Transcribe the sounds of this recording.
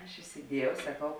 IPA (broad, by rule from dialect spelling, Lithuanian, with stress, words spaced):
ɐʃ ɪsʲɪˈdʲiɛjɛʊ sɐˈkɐʊ